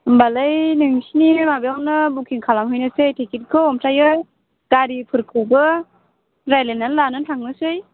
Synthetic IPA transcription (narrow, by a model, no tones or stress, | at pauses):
mbalɯjnɯŋsinimabjawnɯbukʰiŋkʰalamɦɯjnɯsɯjtʰikit̚kʰɯɔmtʰajɯj | ɡ̥aɾipʰɯɾkʰɯwbɯ | ɾajlenːanlanɯntʰaŋnɯsɯj